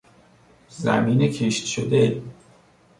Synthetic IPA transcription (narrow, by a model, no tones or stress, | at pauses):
zæ̰miːnecʰeʃt̪ʃod̪e